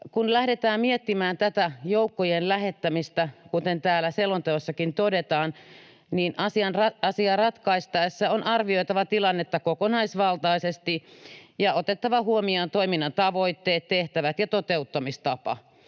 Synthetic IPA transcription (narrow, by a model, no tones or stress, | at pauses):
kunlæhdet̪æːmmiet̪ːimæːnt̪æt̪æjoukːojenlæhet̪ːæmist̪ækut̪ent̪æːlæselont̪eosːɑkint̪odet̪ɑːn | niːnʔɑsiɑnrɑɑsiɑrɑt̪kɑist̪ɑesːɑonɑrʋioit̪ɑʋɑt̪ilɑnːet̪ːɑkokonɑisʋɑlt̪ɑisest̪ijɑot̪et̪ːɑʋɑhuomiont̪oiminːɑnt̪ɑʋoit̪ːeːt̪t̪eht̪æʋæt̪jɑt̪ot̪eut̪ːɑmist̪ɑpɑ̰